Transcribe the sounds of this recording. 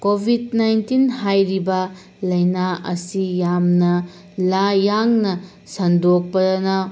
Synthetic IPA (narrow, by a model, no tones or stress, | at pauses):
kobʱidnajntinɦajɾibɐ | lɐjnaɐ̰sijamnɐ | lajaŋnɐ | sɐndok̚pɐnɐ